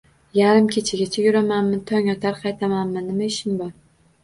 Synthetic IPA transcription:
jaɾɪmkʲʰet͡ʃʰɪɡʲat͡ʃʰajʲʊɾamanmɪt̪ʰɒŋɒt̪ʰaɾqʰɑjt̪ʰamanmɪnɪmaɪʃɪnbɒɾ

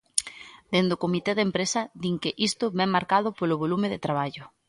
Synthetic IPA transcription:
d̪̥end̪okomit̪ɛðempɾesɐd̪iŋkɪʔist̪ʊβɛŋmːaɾkaðʊpoloβolumeðet̪ɾaβ̞aʎʊ

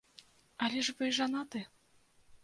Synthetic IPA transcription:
alʲɛʐbɨjʐanat̪ɨ

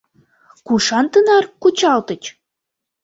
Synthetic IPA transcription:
kuʃɑnt̪ənɑrkut͡ɕɑlt̪ə̆t͡ɕ

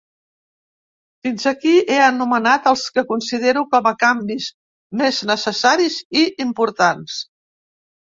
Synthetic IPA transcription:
finzəkiʔeənumənat̪əlˠskəkunsið̞eɾukɔməkambiz | meznəsəsaɾiziʔimpuɾt̪ans

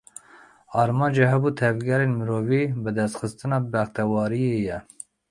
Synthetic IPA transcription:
ɑːɾmɑːnd͡ʒɛɦɛbuːt̪ʰɛvɡɛɾenmɨɾoːviːbɨd̪ɛst̪xɨst̪ɨnɑːbɛxt̪ɛwɑːɾijejɛ

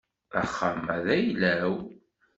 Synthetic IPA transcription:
æ̰χːəmæðæjlæw

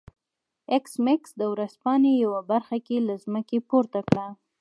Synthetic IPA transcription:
ɪksmɪksd̪əwɾazpɑnejawabaɾxakelazməkepoɾt̪akɽa

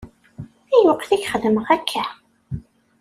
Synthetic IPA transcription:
æjuqːθæçχəðəməʁækʰːæ

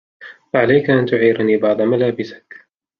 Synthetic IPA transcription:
faʕalajkaʔant̪ʊʕiːɾaniːbɑʕd̪ˤɑmalaːbɪsɪ̥k

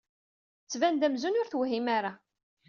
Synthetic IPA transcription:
t͡sːvænd̪æmzunʊɾθwɦimaɾa

